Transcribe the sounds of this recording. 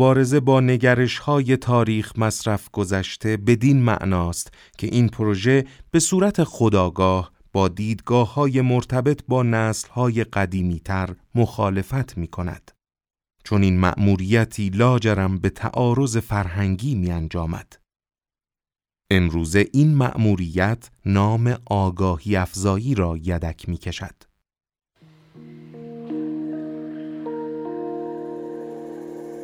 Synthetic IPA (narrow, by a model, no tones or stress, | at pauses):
obɒːɾe̞ze̞bɒːne̞ɟæɾe̞ʃhɒːje̞t̪ʰɒːɾiːxmæsɾæfɡ̥o̞zæʃt̪ʰe̞be̞d̪inmæ̰ʔnɒːst̪ | cʰe̞̰ʔiːnpʰoɾo̞ʒe̞b̥e̞suːɾæt̪ʰe̞xod̪ɒːɡɒːh | b̥ɒːd̪iːd̪ɡɒːhːɒːje̞mo̞ɾt̪ʰæbe̞t̪ʰbɒːnæslhɒːje̞ɢæd̪iːmiːt̪ʰæɾmo̞xɒːle̞fæt̪ʰmiːkʰo̞næ̰d̪̥ | t͡ʃʰo̞niːnmæ̰ʔmuːɾiːjæt̪ʰiːlɒːd͡ʒeɾæmbe̞t̪ʰæ̰ʔɒːɾo̞ze̞fæɾɦæŋɟiːmiːænd͡ʒɒːmæ̰d̪̥ | e̞mɾuːze̞ʔiːnmæ̰ʔmuːɾiːjæt̪ʰnɒːme̞ʔɒːɡɒːhiːæfzɒːjiːɾɒːjæd̪æcʰmiːcʰe̞ʃæ̰d̪̥